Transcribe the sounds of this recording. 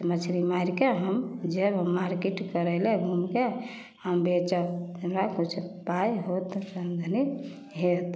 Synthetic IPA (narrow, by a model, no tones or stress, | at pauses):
mət͡ʃʰɾimaiɾkeɦəmd͡ʒebɦəmːaɾkiʈkəɾəleɡʱumke | həmbet͡ʃəemɾakut͡ʃʰpajɦot̪sənd̪ʱəni | ɦet̪